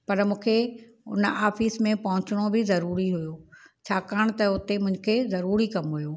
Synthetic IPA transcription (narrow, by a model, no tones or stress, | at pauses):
pɐɾmũːkʰe | ʊ̰naːfiːsmẽpɐɦʊ̃t͡ɕɪɽ̃obɪzɐɾuːɾiɦʊjoː | t͡ɕʰaːkəəɽ̃t̪ɐʊt̪emʊ̃ɦɪ̃ɲ̆kʰezɐɾuːɾikɐmɦʊjoː